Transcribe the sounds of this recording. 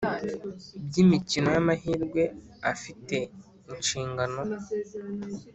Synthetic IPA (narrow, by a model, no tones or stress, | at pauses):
bɟimicino̞jamaɦiːɾɡwe̞ | afite̞ | inʃiːŋɡano̞